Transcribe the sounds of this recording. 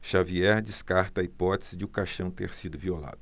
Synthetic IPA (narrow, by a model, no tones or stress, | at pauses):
ʃaviɛɾd͡ʒɪskaɾt̪ɐːipɔt̪e̥zɪd͡ʒɪũkaʃɐ̃w̃t̪eɾsid̪ʊviola̰d̪ʊ